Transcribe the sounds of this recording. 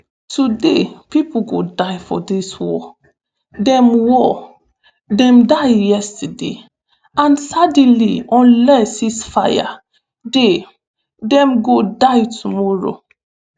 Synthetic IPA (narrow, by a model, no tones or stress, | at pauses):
tudepipuɡodajfɔ̰diswɔ | dɛ̃mwɔ | dɛ̃mdajjɛstadḛ | ãnsadiliɔ̃nlɛsisfaja̰ | de | dɛ̃mɡodajtʰumɔɹo̰